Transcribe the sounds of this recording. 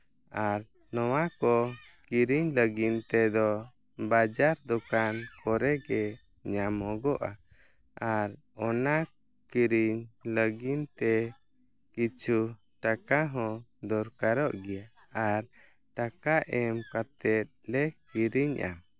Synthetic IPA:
aɾ | nɔwakɔkiɾiɲləɡint̪ɛd̪ɔ | bad͡ʒaɾd̪ɔkankɔɾɛɡɛ | ɲamɔ̃ɡɔʔa | aɾ | ɔna | kiɾiɲləɡint̪ɛ | kit͡ʃʰu | ʈakaɦɔ̃d̪ɔɾkaɾɔʔɡɛja | aɾ | ʈakaʔɛmkat̪ɛt̪̚lɛkiɾiɲʔa̰

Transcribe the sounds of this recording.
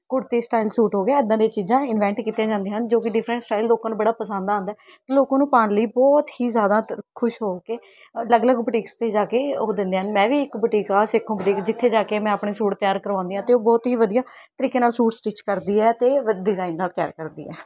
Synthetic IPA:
kʊɽt̪iːsʈaːilsuːʈɦoːɡeɛːəd̪ãːd̪eːt͡ʃiːzãːɪnʋɛ̃ːɳʈkiːt̪ːjãːd͡ʒãːnd̪eːɦənd͡ʒoːk̬ɪɖɪpʰɾə̃ɳʈsʈaːilloːkãːnũːbəɽaːpəsə̃nd̪ãːnd̪aɛː | t̪aːloːkãːnũːpaːɳləiːbɔːt̪hiːzjaːd̪aːkʰʊʃɦoːkeː | ləɡləɡbəʈiːkst̪ʰːeːd͡ʒaːkeːoːd̪ɪ̃nd̪eːənmɛ̃ːʋiːɪkbəʈiːkaːsɪkʰːõːbəʈiːkd͡ʒɪt̪ʰːeːd͡ʒaːkeːmɛ̃ːaːpɳeːsuːʈt̪ɪjaːɾkəɾʋãːnd̪eːãːt̪eːoːbɔːt̪ɦiːʋəd̪ijãː | t̪əɾiːkeːnaːlsuːʈsʈit͡ʃkəɾd̪iːɛːt̪eːɖɪzaːinːaːlt̪ja̰ːɾkəɾd̪ḭːɛ̰ː

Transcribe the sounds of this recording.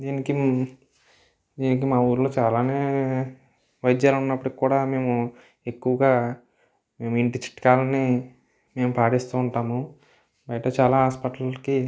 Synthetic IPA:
d̪iːniki | d̪iːnik̬imaːuːɾloːt͡ʃaːlaːneː | ʋɐjid̪jaːlunːɐpːuɽikikuːɽaːme̞ːmu | e̞kːuʋɐɡaː | me̞ːmuiɳʈit͡ʃi̥ʈːɐ̥kaːlɐni | me̞ːmupaːʈist̪uːɳʈaːmu | bɐjɐʈɐt͡ʃaːlaːɦaːspɐʈllɐki

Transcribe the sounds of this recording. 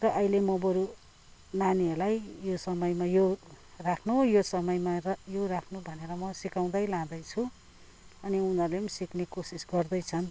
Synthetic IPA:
rʌʔʌjlemobʌɾu | naniʌrlajjosʌmʌjmajo | rakʰnujosʌmʌjmajorakʰnubʱʌneɾʌmʌsikaw̃d̪ʌjlãd̪ʌjt͡sʰu | ʌniunʌlemsiknekosisɡʌrd̪ʌjt͡sʰʌn

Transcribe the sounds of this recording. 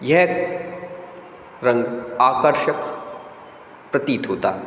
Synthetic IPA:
jɛɦ | ɾɐ̃ŋɡaːkəɾʃək | pɾɐt̪iːt̪ɦoːt̪a̰ːɦ

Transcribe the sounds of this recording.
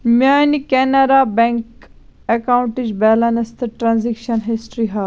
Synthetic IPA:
mʲaːnikenɐɾabẽŋkekauɳʈid͡ʒbɛːlɐnɐst̪ʰɨʈɾãnzikʃɐnɦisʈɾiɦa

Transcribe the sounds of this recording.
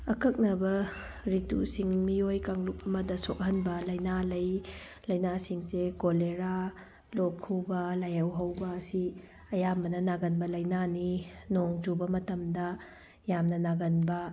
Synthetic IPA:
ɐkɐk̚nɐbɐɾitṵsiŋmiojkaŋluk̚ɐmɐdɐsok̚hɐnbɐlɐjnalɐj | lɐjnasiŋsekoleɾa | lokʰːuwbɐlajɐwɦɐwbɐːsi | ɐjambɐnɐnaɡɐnbɐlɐjnaninoŋd͡ʒubɐmɐtɐmdɐ | jamnɐnaɡɐnbɐ

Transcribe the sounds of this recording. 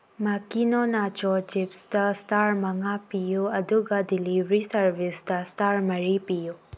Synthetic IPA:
makinonat͡ʃot͡ʃipsdɐstaɾmɐŋapijuɐduɡɐdilibɾisɐɾbisdɐstaɾmɐɾipiju

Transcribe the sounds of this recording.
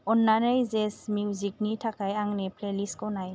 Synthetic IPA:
ɔnːanəjzesmjuzik̚nitʰakajaŋnipʰleliskɔnaj

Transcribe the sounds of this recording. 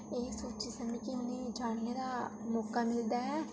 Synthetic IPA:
eːsoːt͡ʃiːsəmĩːkɪʊnẽːd͡ʒaːɽ̃neːd̪aːmɔːkaːmɪld̪aːɦɛː

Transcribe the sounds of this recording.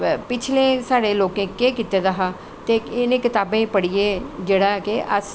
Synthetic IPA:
pɪt͡ʃʰlẽːsaːɽeːloːkẽːkeːkit̪eːd̪əɦaː | t̪eɪnẽːkɪt̪aːbẽːpəɽijeːd͡ʒeːɽaːkeʔəs

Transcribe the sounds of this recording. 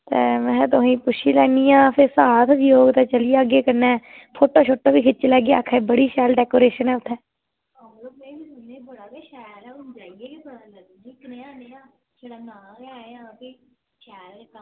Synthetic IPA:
t̪ḛːmɛ̃ːt̪ʊĩːpʊʃʰiːlɛːniːjãːpʰɪɾsaːt̪ʰd͡ʒjoːɡt̪ɛːt͡ʃəlijaːəɡeːkəɾnɛː | pʰoːʈoːt͡ʃʰoʈːoːbiːkʰɪt͡ʃːlɛːɡejakʰɛbəɽiːʃɛːlɖɛːkoːɾeːʃənɦɛːʊt̪ʰːɛː | aloːmẽːbiːsʊneːbəɽaːbeʃɛːlɛʊnd͡ʒaːieebəɽaːlə | ikneaneaː | t͡ʃeɽaːnãːɡeaːeaki | ʃɛːɾkː

